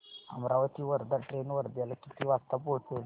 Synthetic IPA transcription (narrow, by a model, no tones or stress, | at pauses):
ə̰mɾaʋət̪iːʋəɾd̪aʈɾenʋəɾd̪jalkit̪iːʋast̪apoʈʰel